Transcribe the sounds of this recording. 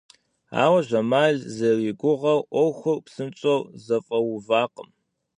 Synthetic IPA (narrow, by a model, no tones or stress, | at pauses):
a̰ːwɐʒʷɐmaːɮzɐriːɡʷʊʁɐwʔʷɔwxʷʊrpsɨmt͡ʃʼowzɐfʼɐwʊvaːqəm